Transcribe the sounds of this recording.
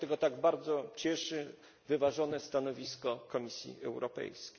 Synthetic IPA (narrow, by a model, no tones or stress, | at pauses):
t̪ɛɡɔt̪aɡbaɾd̪zɔt͡ɕɛʂɘ | vɘvaʐɔnɛst̪anɔvʲiskɔkɔmʲisʲjḭɛ̰wɾɔpɛ̰jskʲej